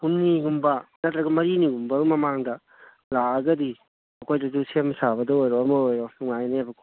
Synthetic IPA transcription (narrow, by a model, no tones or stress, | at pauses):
hunnːiɡumbɐnɐtɾɐɡɐmɐɾiniɡumbɐɡmɐmaŋdɐ | laɐɡɐdi | ɐkʰojdɐd͡ʒusemsabɐdɐojɾoɐmɐojɾonuŋajneɐbɐkʰ